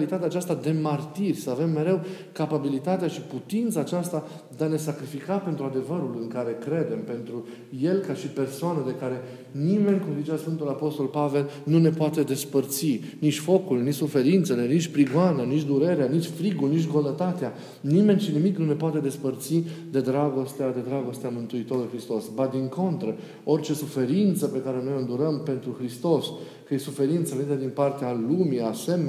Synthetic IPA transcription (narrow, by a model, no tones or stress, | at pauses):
lit̪at̪eat͡ʃast̪ad̪e̞mart̪irʲsəave̞mːe̞ɾe̞w | kapabilit̪at̪eaʃiput̪int̪saːt͡ʃast̪a | d̪eane̞sakɾifikape̞nt̪ɾuad̪e̞vəɾulɨŋkaɾe̞kɾe̞d̪e̞mpe̞nt̪ɾu | je̞lkaʃipe̞rsoanəd̪e̞kaɾe̞ | nime̞nʲkumzit͡ʃasfɨnt̪ulapo̞st̪o̞lpave̞lnune̞poat̪e̞d̪e̞spərt̪si | nit͡ʃʲfo̞kulnit͡ʃsufe̞ɾint̪se̞le̞nit͡ʃʲpɾiɡoananit͡ʃʲd̪uɾe̞ɾeanit͡ʃʲfɾiɡulnit͡ʃ̬ʲɡonət̪at̪ea | nime̞nʲʃinimiknune̞poat̪e̞d̪e̞spərt̪sid̪e̞d̪ɾaɡo̞st̪ead̪e̞d̪ɾaɡo̞st̪eamɨnt̪uit̪o̞ɾluljxɾist̪o̞sbad̪iŋko̞nt̪ɾə | o̞rt͡ʃe̞sufe̞ɾint̪səpe̞kaɾe̞no̞jond̪uɾəmpe̞nt̪ɾuxɾist̪o̞s | kəje̞sufe̞ɾint̪səvenit̪ed̪inpart̪ealumiasem